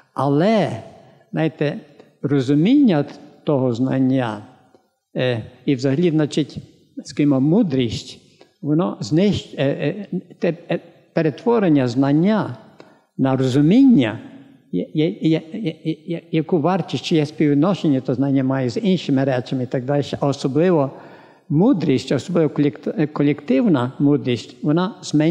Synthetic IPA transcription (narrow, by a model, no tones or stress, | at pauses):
ɐlˠɛ̥ | najɪt̪ɛ | rɔzʊmʲinʲːɐt̪ɔɦɔznɐ̰nʲːa | iwzɐɦlʲid̪nɐt͡ʃɪtʲ | skɐimɔmud̪ɾʲisʲtʲ | ʋɔnɔznɪʃ | t̪ɛ | peɾet̪ʋɔɾenʲːɐznɐnʲːa | nɐɾɔzʊmʲinʲːɐ | jjɛj | jɐkuʋɑrt͡ʃisʲt͡ʃɪjɛsʲpʲiwɪd̪nɔʃenʲːɐt̪ɔznɑnʲːɐmɑjɛzinʃɪmɪɾɛt͡ʃɐmɪit̪aɡ̚d̪ɑlʲʃɛɔsɔblˠɪʋɔ | mud̪ɾʲisʲtʲɔsɔblˠɪʋɔklʲktkɔlʲekt̪ɪwnɐmud̪ɾʲisʲtʲʋɔnaz̥mɛ